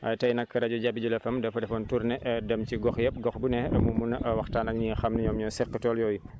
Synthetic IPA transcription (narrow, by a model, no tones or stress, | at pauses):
ɐtɐjnɐkːɐɾɐɟɔɟabiɟulɐfɐmdɛfɐdɛfɔntuɾnɛʔdɐmciɡɔxjɛp̚ɡɔxbunɛmumunwɐxtaːnɐk̚ɲixɐmnɐɲɔmɲɔːsɛqːətɔːljɔːju